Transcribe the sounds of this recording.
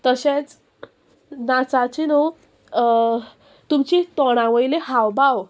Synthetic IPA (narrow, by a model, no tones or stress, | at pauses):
t̪əɕẽt͡s | nat͡sat͡ɕino | t̪umt͡ɕit̪ɔɽ̃ãʋəjleɦawbaw